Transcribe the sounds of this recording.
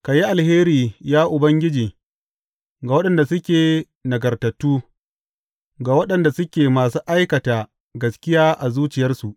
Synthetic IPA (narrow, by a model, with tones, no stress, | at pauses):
ka˨ji˦ʔa˨lheː˦ɾiː˨jaː˦ʔʊ˨bɐ˦ŋɡʲɪ˦d͡ʒiː˨ | ɡa˨wɐ˦ɗɐ˨nda˨sʊ˦kʲeː˨ | nɐ˨ɡɐ˨rtɐ˨tːuː˦ | ɡa˨wɐ˦ɗɐ˨nda˨sʊ˦kʲeː˨maː˨s̬uː˦ʔa˦jkɐ˨taː˨ | ɡɐ˨skʲɪ˦jaː˦ʔa˨zuː˦t͡ʃɪ˨jɐ˦rsu˨ʔ